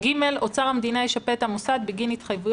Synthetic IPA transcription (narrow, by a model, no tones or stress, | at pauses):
ɡime̞lo̞t͡saʁamd̪inajeʃapeːt̪hamosad̪̚biɡinit̪χajvuj